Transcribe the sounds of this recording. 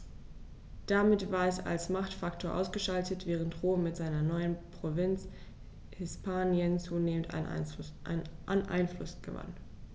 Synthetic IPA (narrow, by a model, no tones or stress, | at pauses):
d̥amɪtv̥aːɐɛsa̰lsmaχtfaktʰoːɐʔa̰ʊsɡ̥əʃaltətv̥ɛːʁ̞əntʁoːmmɪtz̥aɪnɐnɔʏənpʁ̥ovɪnt͡s | hɪspʰaːnjənt͡suːneːmənta̰n̰nʔa̰nʔa̰ɪnflʊsɡ̥ə̰va̰n